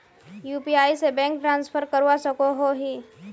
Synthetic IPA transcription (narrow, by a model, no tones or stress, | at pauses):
juːpiaːisebɛ̃ːŋk̚ʈɾãːnspʰəɾkəɾwasəkoɦoɦiː